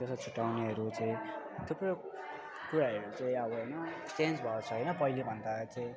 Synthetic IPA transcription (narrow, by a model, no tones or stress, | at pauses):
d͡zʌst͡sʰuʈːawneʌɾut͡saĩ | t̪upro | kuɾaʌɾut͡saĩauɦʌjnʌ | ʈend͡zbʱʌot͡sʰʌɦʌjnʌpʌɦilebʱʌnd̪at͡sʌĩ